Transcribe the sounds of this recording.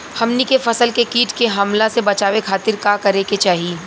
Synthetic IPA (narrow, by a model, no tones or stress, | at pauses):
hɐmnikefɐsəlkekiːʈkeɦɐmlasebɐt͡ʃaːʋekʰaːt̪ɪɾkaːkɐɾeket͡ʃaːɦii